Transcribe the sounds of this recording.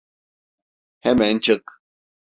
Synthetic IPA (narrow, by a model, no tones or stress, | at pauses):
hɛmɛnt͡ʃək